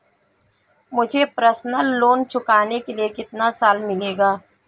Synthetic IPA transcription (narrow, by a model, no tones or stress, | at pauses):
mʊd͡ʒʱepɾəsnəlːoːnt͡ʃʰʊkaːnekeliekɪt̪nasaːlmɪleːɡaː